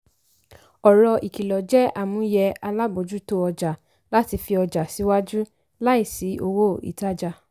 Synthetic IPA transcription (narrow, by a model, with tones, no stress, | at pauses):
ɔ˨ɾɔ˧ʔi˨ki˨lɔ˨d͡ʒɛ˦ʔa˦˨mũ˨˧˦jɛ˧a˧la˦bo˨d͡ʒu˦to˦ɔ˧d͡ʒa˨ | la˦ti˧fi˧ɔ˧d͡ʒa˨si˨˦wa˦d͡ʒu˦ | la˦i˦˨si˨˦o˧wo˦˨ḭ˨ta˦d͡ʒa˧